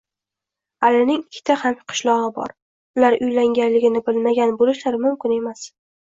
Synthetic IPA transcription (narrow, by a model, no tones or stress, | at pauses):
alɪnɪŋɪkʲʰːɪ̥t̪ʰahamqʰʊ̥ʃlˠɒʁɨbɒ̰ɾ | ʊlaɾʊjlaŋɡʲanlɪɡʲɪnɪbɪlmaɡʲanbolɪʃlaɾmʊmkʲɪne̞mas